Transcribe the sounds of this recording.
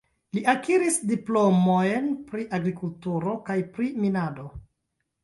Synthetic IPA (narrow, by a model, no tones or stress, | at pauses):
liʔakiɾisdiplo̞mojnpɾiʔaɡɾikultuɾo̞kajpɾiminado̞